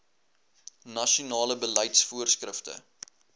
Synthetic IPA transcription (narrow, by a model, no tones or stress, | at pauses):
nɐʃunɑːləbələjtsfuərskrəftə̰